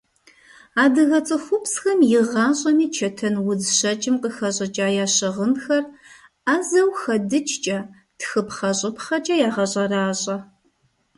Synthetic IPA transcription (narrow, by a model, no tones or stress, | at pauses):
aːdɨɣɐt͡sʼɨxʷʊpsxɐmjɪʁɑːɕʼɐmiːt͡ʃʰɐtʰɐnwʊzʃɐt͡ʃʼɪmqʼəxɐɕʼɐt͡ʃʼaːjaːɕɨʁənxɐr | aːzɐwxɐdɨt͡ʃʰʼt͡ʃʼɐ | txɨpχɐɕʼɪpχɐt͡ʃʼɐjaːʁɐɕʼɐraːɕʼɐ